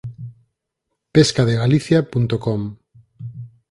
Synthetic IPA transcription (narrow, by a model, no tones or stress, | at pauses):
peskaðeɣaliθjapunt̪okɔm